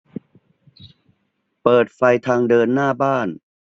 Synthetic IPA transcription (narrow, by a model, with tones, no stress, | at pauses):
pɤː˨˩t̪̚fa˧jt̪ʰaː˧ŋdɤː˧nːaː˥˩baː˥˩n